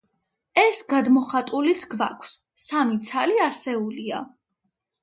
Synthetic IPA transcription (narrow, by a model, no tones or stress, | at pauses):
ɛsɡad̪mɔχat̪ʼulisʰɡva̰kʷʰsː | amit̪sʰaliasɛulia̰